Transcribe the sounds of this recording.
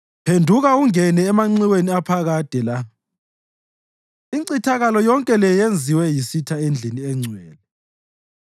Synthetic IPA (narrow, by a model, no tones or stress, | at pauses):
pʰendʱuɣauŋɛnɛːmaŋ͡ǀiweniapʰaɣad̥ʼʱɛla | iǀitʰaɣalɔjɔŋkʼɛlɛjend͡zʱiwɛjisitʰaend͡ɮʱiniɛŋ͡ǀʱwɛ̰ːlɛ